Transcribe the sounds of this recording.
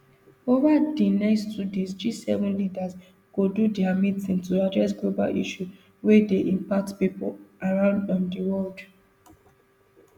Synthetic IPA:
ovadinɛstudɛ̃sd͡ʒisɛ̰vɔ̃nlidas | kududɛamitĩntuadɹɛs̬ɡloba̰lʔḭʃu | wɛdeʔĩmpak̚tpipolaɹãʊ̃ndɔ̃ndiwɔld

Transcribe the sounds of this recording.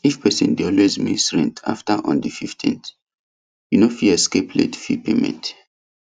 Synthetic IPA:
ifpɛsḭ̃ndeɔlwezmḭ̃sɹɛ̰̃ntʰa̰ftaʔɔ̰̃ndififtʰḭ̃nθ | junofilɛskeplḛtfḭpemɛ̰̃nt

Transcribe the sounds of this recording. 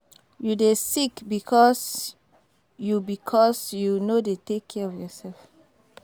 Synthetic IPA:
judesikbikʰɔs | jubikʰɔsjunodetekʰːɛɔfjɔsɛlf

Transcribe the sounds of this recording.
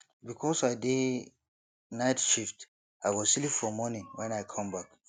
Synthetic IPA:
bikʰɔsaɪde | naɪtʃift | ajwɔzsilifɔmɔnĩŋwɛ̃najkʰãmbak

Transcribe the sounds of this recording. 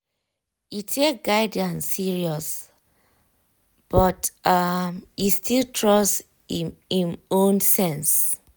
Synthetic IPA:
itʰek̚ɡaɪdãnːiɹiɔs | b̥ɔtamistʰiltʰɹɔs | ĩmõnsɛ̃ns

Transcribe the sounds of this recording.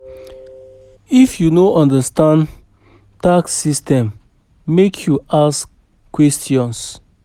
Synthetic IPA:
ifjunoʔɔ̃ndəstãn | taksːistɛ̃mː | ekʰjuask | kːwɛstʰjɔ̃ns

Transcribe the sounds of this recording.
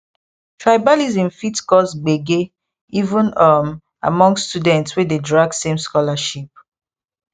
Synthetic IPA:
tʰɹajbalizĩmfitskɔsɡ͡beɡe | ivə̃nam | a̰mɔ̃ŋsstudɛ̃ntswededɹaɡ̚sẽmskɔlaʃip̚

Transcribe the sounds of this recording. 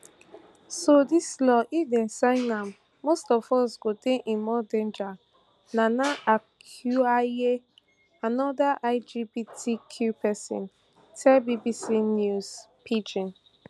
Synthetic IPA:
sodislɔʔidɛ̃nsãŋãmː | ostɔfɔsɡodeʔĩnmɔdẽnd͡ʒa | nanaakʰjuae | anɔdaʔaɪd͡ʒibitʰikʰjupʰɛsɔ̰̃n | tʰɛlbibisinjuzpʰid͡ʒĩn

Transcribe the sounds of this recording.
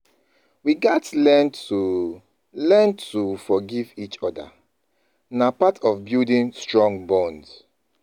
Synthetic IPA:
wiɡatlɛntu | lɛntufɔɡivit͡ʃɔda̰ | napatɔvbidĩnstɹɔ̃ŋɡbɔ̃nds

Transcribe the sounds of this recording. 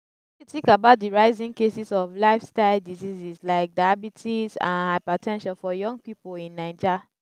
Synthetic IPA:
kɹitikabaʊt̚diɹaɪzĩŋkesisɔflaɪfstaɪldizizislaɪk̚daabitʰisã̰nhaɪpatʰɛ̃nʃãlfɔjɔ̃ŋɡ̚pipolĩnːaɪd͡ʒa

